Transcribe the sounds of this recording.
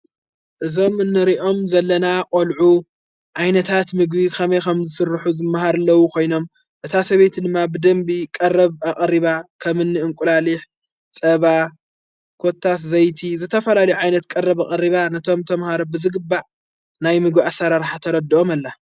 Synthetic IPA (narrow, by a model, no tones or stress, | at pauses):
ʔɨzo̞mɨnːɨɾiʔo̞mzɐlːɐnakʼolʕu | ʕajnɐt̪ʰat̪mɨɡbikʰɐmejkʰɐmzɨsɨrːħuzɨmːaɦaɾlːɐwukʰo̞jno̞m | ʔɨt̪ʰasɐβet̪ʰd̪ɨmːabɨd̪ɐmbikʼɐrɐβaχʼɾiβakʰɐmɨnːɨɨŋkʷʼulaliħ | t͡sʼɐβa | kʰo̞t̪ʰːat̪zɐjt̪ʰizɨt̪ʰːɐfɐlalɐjuʕajnɐt̪kʼɐrːɐβaχʼɐrːiβanɐt̪ʰo̞mt̪ʰɐmhaɾobɨzɨɡɨbːaʕ | najmɨɡbiʔasːɐɾaɾħat̪ʰɐɾɐd̪ːio̞malːa